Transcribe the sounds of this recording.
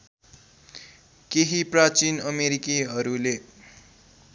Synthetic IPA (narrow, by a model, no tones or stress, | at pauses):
keɦiprat͡sinʌmeɾikiɦʌɾule